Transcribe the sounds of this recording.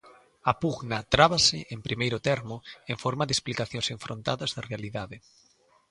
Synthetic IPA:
apuɣnat̪ɾaβasɪ̰ʔempɾimejɾʊt̪ɛɾmʊeɱfɔɾmaðesplikaθjõŋseɱfɾont̪a̰ðɐzðɐrealiðaðɪ

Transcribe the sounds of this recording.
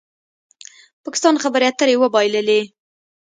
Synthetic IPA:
pɑkɪ̥st̪ɑnxabəɾeat̪əɾewəbɑjləle

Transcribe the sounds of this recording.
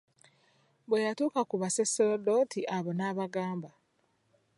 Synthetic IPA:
bwejatuːkakuβaseselodo̞ːtʰiʔaβonaːβaɡaːmba

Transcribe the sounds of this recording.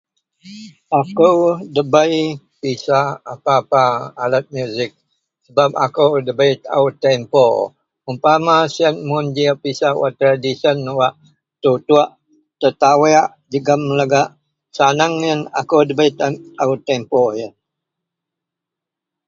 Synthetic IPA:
akəwdəbəi | pisaːpaːpaːlat̪̚mjuzɪk̚ | səbap̚a̰kəwdəbəit̪a̰ut̪ɛmpo | umpamasian̚mund͡ʒiəpisawa̰ʔt̪ɾadisənwaʔ | t̪ut̪uaʔ | t̪ət̪aweaʔd͡ʒəɡəmləɡaʔ | sanaŋəna̰kəwdəbəjt̪aut̪ːɛmpojən

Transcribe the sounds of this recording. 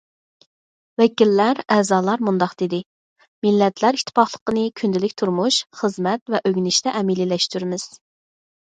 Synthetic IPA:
wɛkʲilːæɾɛːzɑːlˠɑɾmund̪ɑqd̪̥ed̪ɪ | mɪlːɛt̪ʰlæɾiʃt̪ʰɪ̥pʰɑχlˠə̥qənɨkʲʰynd̪ɪlɪkʲt̪ʰuɾmuʃχəzmɛt̪vɛʔøɡʲnɪʃt̪ɛʔɛmililɛʃt̪yɾmɪz̥

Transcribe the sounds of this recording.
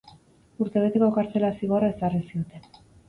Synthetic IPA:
uɾt̪e̞β̞e̞t̪e̞ko̞kaɾt͡se̞lasiɣorae̞sarisio̞t̪e̞n

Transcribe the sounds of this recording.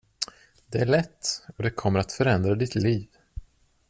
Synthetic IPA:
d̪ɛæɭɛt̪ːɔd̪ɛkʰɔmːəɾat̪fœɾɛnd̪ɾad̪ɪt̪liːv

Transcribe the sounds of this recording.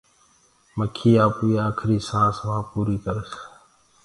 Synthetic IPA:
məkʰiːaːpːiːaːkʰɾiːsãːsʋãːpuːɾiːkəɾəs

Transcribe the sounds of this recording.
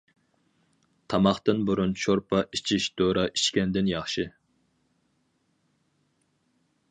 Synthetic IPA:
t̪ʰɑmɑχt̪ɨnbuɾunt͡ʃʰoɾpʰɑʔit͡ʃʰiʃd̪̥oɾɑʔit͡ʃkʲɛnd̪ɪnjɑχʃɨ

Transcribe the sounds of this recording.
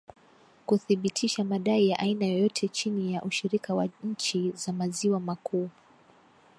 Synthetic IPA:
kuθiɓitʰiʃamaɗaijaʔainajɔjɔtʰɛt͡ʃinijaʔuʃiɾikawaɲ̩t͡ʃizamaziwamakʰuː

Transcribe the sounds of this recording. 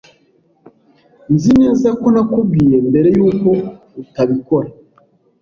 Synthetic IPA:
nzinenzakonakuɡijembeɾejuːko | utaβikoɾa

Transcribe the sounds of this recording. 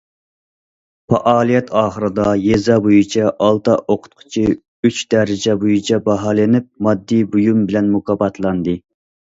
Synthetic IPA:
pɑʔɑːlˠijɛt̪ʰɑːχəɾɨd̪ɑjezɑbojut͡ʃʰɑʔɑlˠt̪ɑʔoqʰʊ̥t̪̚qʰʊ̥t͡ʃʰi | yt͡ʃd̪ɛɾɪd͡ʒɛbojut͡ʃʰɑbɑɦɑːlɪnɪp̚mɑd̪ːibujumbɪlɛnmukɑːbɑt̪lˠɑnd̪ɨ

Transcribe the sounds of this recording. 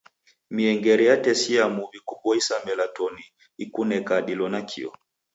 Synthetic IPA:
miɛŋɡɛɾɛjatɛsiamuβikupɔisamɛlatɔni | ikunɛkaɗilɔnakʰḭɔ̰

